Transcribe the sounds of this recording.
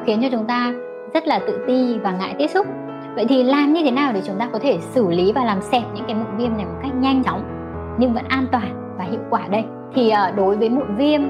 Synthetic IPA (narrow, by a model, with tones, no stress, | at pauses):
xi˨˦nt͡ɕɔ˧t͡ɕʊ˨˦ŋ͡mt̪aː˧ | zə˦˥t̚laː˨˩t̪ɨ̰˧˨t̪i˧vaː˨˩ŋa̰ː˧˨jt̪i˦˥əp̚sʊ˦˥k͡p̚ | və̰˧˨jt̪ʰi˨˩laː˨˩mɲɨ˧t̪ʰe˨˦naː˨˩wɗ̪e˧˩t͡ɕʊ˨˦ŋ͡mt̪aː˧kɔ˨˦t̪ʰe˧˩sɨ˧˩li˨˦vaː˨˩laː˨˩msɛ˨˩p̚ɲɨ̰˧˥ŋkaː˨˦jmo̰˧˨nvi˧əmna˨˩jmo˨˩t̚ka˦˥jk̟̚ɲa˧jŋt͡ɕɔ˨˦wŋ͡m | ɲɨ˧ŋvə̰˧˥nʔaː˧nt̪waː˨˩n | vaː˨˩hḭ˧˨əwkwaː˧˩ɗə˧j | t̪ʰi˨˩ʔəː˨˩ɗo˨˦jvəː˨˦jmo̰˧˨nvi˧əm